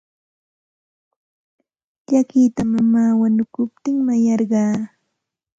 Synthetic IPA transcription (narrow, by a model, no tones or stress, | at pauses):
ʎakit̪amamaːwanʊkʊp̚t̪ɪŋmajɑɾɢɑː